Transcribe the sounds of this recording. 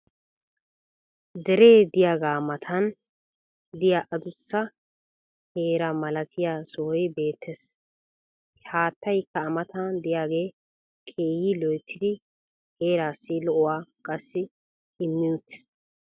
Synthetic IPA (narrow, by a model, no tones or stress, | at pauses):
d̪ɛɾe̞ːd̪ɪjaːɡaːmɐt̪ʰɐn | d̪ɪjaʔɐd̪ʊsːɐ | heːɾɐmɐlɐt̪ʰɪjaːsɔhɔjbe̞ːt̪ʰːɛs | haːt̪ːɐjkːɐːmɐt̪ɐnd̪ɪjaːɡe̞ː | kʰeːjɪlɔjt̪ʰːɪd̪ɪ | heːɾaːsːɪlɔʔʊwaːkʼɐsːɪ | ɪmːɪjʊt̪ːɪ̥